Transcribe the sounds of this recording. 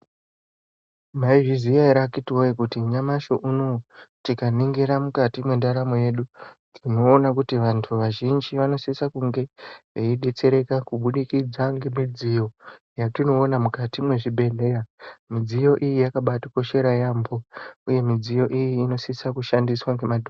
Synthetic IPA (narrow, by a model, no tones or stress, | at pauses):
maiʐizijaiɾakitiwojekutiɲamaʃo̞ʔunotikaniŋɡeɾamukatimwendaɾamoje̞ɗudino̞ːnakutiʋantʰuʋaʒind͡ʒiʋano̞sisakuŋɡe̞ʐeiɗet͡se̞ɾe̞kakuɓuɗikid͡zaŋɡe̞mid͡zijo̞ | jatino̞ːnamukatimwe̞ʐibʱe̞ɮe̞ramid͡zijo̞ʔijijakaɓatiko̞ʃe̞ɾajambo̞uje̞mid͡zijo̞ʔijiːno̞sisakuʃandiswaŋɡe̞madʱo